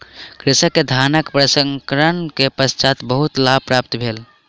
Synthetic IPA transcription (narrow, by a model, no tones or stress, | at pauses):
kɾisəkːed̪ʱanəkpɾəsəŋkɾəɳkepəst͡ʃat̪bəɦut̪labpɾapt̪bʱel